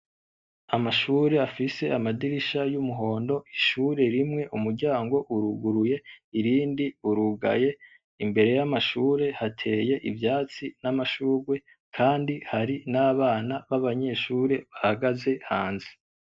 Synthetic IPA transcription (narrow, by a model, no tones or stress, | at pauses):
amaʃuːɾe̞afise̞ʔamadiɾiʃajumuɦo̞ːndo̞ʔiʃuɾe̞ɾimŋe̞ʔumuɾɟaːŋɡo̞ʔuɾuɡuɾuje̞iɾiːndiuɾuɡa̰je̞ | imbe̞ɾe̞jamaʃuːɾe̞hatʰe̞ːje̞ʔivjaːt͡sinamaʃuːɾɡwe̞ | kʰaːndihaɾinaːβaːnaβaβaɲe̞ʃuːɾe̞βahaɡaze̞haːnze̥